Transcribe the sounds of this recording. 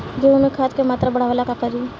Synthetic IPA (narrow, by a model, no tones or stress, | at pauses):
d͡ʒomẽkʰaːt̪kemaːt̪ɾabɐɽ̤aʋalakakəɾi